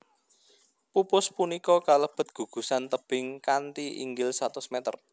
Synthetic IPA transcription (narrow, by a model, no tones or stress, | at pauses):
pupʊspunikɔkaləb̥ə̤t̪̚ɡ̥ṳɡ̥ṳsant̪əb̥ɪŋkant̪iʔḭŋɡɪlsat̪ʊsmɛt̪ə̰r